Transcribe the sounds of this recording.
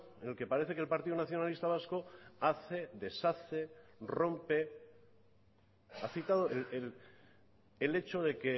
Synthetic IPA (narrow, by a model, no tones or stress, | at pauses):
enelke̞paɾe̞θe̞kelpaɾt̪iðunaθjo̞nalist̪aβ̞asko̞aθe̞ðe̞saθero̞mpe̞ | aθit̪aðoelelː | le̞t͡ʃoðe̞ke̞